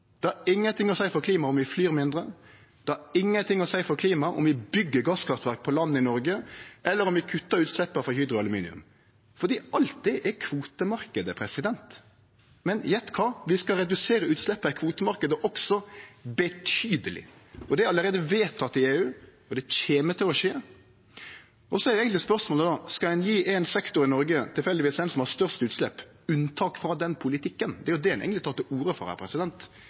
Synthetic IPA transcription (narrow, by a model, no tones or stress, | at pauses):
d̪̥ɛhɑɾɪŋːənt̪ɪŋɔsæɪfɔkʰliːmɑɔmʋɪflyːɾmɪnd̪ɾə | d̪̥ɛhɑɾɪŋːənt̪ʰɪŋːɔsæɪfɔkʰliːmɑʔɔ̰mʋɪbʏɡːəɡɑːskʰɑft̪ʋæɾk̚pʰɔlɑnːəɪnɔɾɡəʔɛlːəɾɔmʋɪkʰʉt̪ːəɾʉːt̪slɛpːəfɔhyːd̪ɾʊɑlʉmiːnɪ̰ʉ̰m | fɔʁd̪iːɑlt̪̚d̪ɛʔɛkʰʋuːt̪əmɑɾkəd̪əpʰɾɛsɪd̪ɛnt̪ | mɛnjɛt̪kʰɑʋɪskɑɾɛd̪ʉseːɾəʉːt̪slɛpːəɪkʰʋuːt̪əmɑɾkəd̪əʔɔksɔbət̪ʰyːd̪əlɪ̰ | ɔd̪ɛæɾɑlːəɾeːd̪əʋeːt̪ʰːɑt̪ːɪeːʉː | ɔd̪ɛc͡çeːmət̪ʰɪlɔʃeː | ɔsɔɛɾjɛːɡənlɪspœɾsmoːləd̪oːskɑɛnjiːʔɛnsɛkt̪ʊɾɪnɔɾɡət̪ʰɪlfɛld̪ɪʋiːsɛnsɔmhɑst̪œʁʂt̪əʉːt̪slɛpː | ʉnt̪ʰɑːkfɾɑd̪ɛnpʰʊlɪt̪ʰɪkːənd̪ɛæɾjʊd̪ɛhɛn̰ɡənɪt̪ʰɑt̪ːəuːɾəfɔ̰ɾæ̰ɾpʰɾɛsɪd̪ɛnt̪